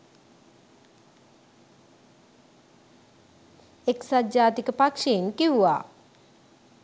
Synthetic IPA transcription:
eksad̪d͡ʒaːt̪ikəpakʂeinkiʋuʋaː

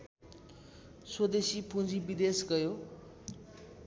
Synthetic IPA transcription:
swʌd̪esipʰũd͡zibid̪esɡʌjo

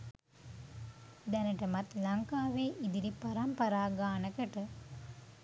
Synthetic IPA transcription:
d̪ɛnəʈəmat̪lɐŋkaːʋeːʔid̪iɾipaɾampɐɾaːɡaːnəkəʈə

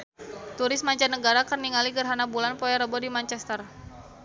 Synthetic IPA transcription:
t̪uɾɪsmaɲt͡ʃanːəɡaɾakərniŋaliɡərɦanabulanpɔjaɾəbɔdimant͡ʃɛst̪ər

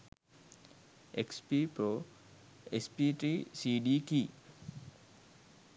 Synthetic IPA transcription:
ekspipɾo | espiʈɾisiɖiki

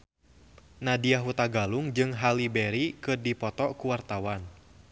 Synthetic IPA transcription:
nadiaɦut̪aɡaluŋd͡ʒɨŋɦalibɛɾikɨrdipɔt̪ɔkuwart̪awan

